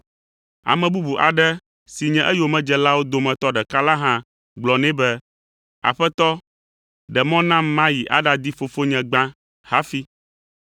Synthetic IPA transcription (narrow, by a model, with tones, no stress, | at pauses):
a̰˨mɛ̃˨bu˦bu˨ʔa˨ɖɛ˦ | si˨ɲɛ̃˦ʔɛ˦jo˨mɛ̃˦d͡ʒɛ˨la˦wo˦d̪o˨mɛ̃˨t̪ɔ˦ɖɛ˨ka˦la˦ɦã˦ | ɡ͡blɔ˨nɛ̃˦bɛ˦ | a̰˨ɸɛ˦t̪ɔ˦ | ɖɛ˨mɔ̃˦nã˦mmã˦ji˨ʔa̰˦ɖa˨d̪i˦fo˨fo˦ɲɛ̃˨ɡ͡bã˦ | ha˦fi˦